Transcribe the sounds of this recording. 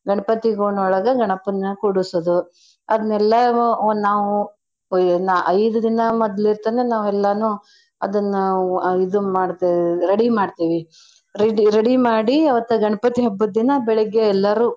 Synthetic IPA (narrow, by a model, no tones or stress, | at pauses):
ɡɐɳɐpɐt̪iɡoːɳɔɭɐɡɐɡɐɳɐpɐnːɐkuɽusod̪u | ɐd̪ɐnːɛlːɐnaːʋu | nʔɐjd̪ɐd̪inɐmɔd̪liɾt̪ɐnenaːʋɛlːɐnu | ɐ̰d̪ɐnːuid̪umaːɽt̪iɾeɽimaːɖt̪iːʋi | ɾeɖiɾeɽimaːɽiɐʋɐt̪ːɐɡɐɳɐpɐt̪iɦɐbːɐd̪ːinɐbɛɭɛɡːeɛlːɐɾuː